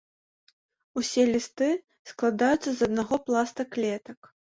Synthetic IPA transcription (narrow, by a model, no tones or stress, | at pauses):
usʲɛlʲist̪ɨ | sklˠad̪ajut̪sːɐzɐd̪naɣɔplˠast̪ɐklʲɛt̪ɐk